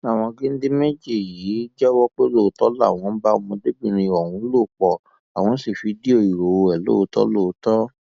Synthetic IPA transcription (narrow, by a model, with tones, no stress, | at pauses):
a˦˨w̃ɔ̃˧ɡe˦n̩˦de˦me˦d͡ʒe˦˨jiː˨˦d͡ʒɛ˦wɔ˦k͡pe˦lo˦˨tɔ˦la̰˦˨w̃ɔ̃˧˦ba˦˧˦mɔ̃˧de˦bi˦˨ɾ̃ĩ˧˨ɔ˨wũ˧˦lo˦˨k͡pɔ˨ | a˨w̃ɔ̃˧˦si˦˨fi˨˧˦di˦o˦˨i˨ɾo˨o˧ɛ˨lo̰˦˧˦tɔ̰˦lo˦˨˧tɔ˦